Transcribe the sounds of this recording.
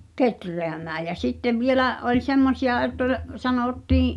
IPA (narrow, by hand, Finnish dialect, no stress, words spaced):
ketreæmæː jæ sitːeʋ ʋielæʔ ʔolʲ semːosiɑ etː ol sɑnoˑtːiːĩ